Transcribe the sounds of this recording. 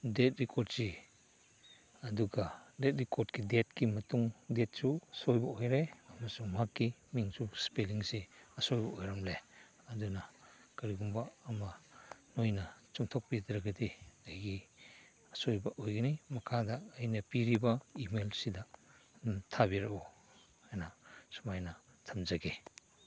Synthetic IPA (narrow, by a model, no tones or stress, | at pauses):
det̚ɾikʰɔɾd̚si | ɐduɡɐdet̚ɾikɔɾdkidet̚kimɐtuŋdet̚susojbɐojɾeɐmɐsumakːimiŋsuspeliŋseɐsojbɐojɾamle | ɐdunɐ | kɐɾiɡumbaːmɐnojnɐt͡ʃuŋtʰɔk̚pidɾɐɡɐdiɐjɡi | ɐsojbɐʔojɡɐnimɐkʰadɐːjnɐpiɾibɐimelsidɐ | tʰabiɾɐɔ | hajnasumajnɐ | tʰɐmzɐɡe